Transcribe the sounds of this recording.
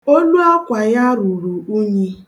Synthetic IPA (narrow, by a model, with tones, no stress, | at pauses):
o˦lu˦a˦kʷa˨ja˦ɾu˨ɾu˨u˦ɲe˦